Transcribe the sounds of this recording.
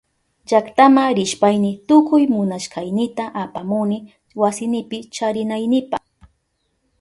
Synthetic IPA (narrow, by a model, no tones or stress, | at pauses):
d͡ʒakt̪amaɾɪʃpajnɪt̪ʊkʊjmʊnaʃkajnɪt̪aʔapamʊnɪ | wasɪnɪpɪt͡ʃaɾɪnajnɪpaχ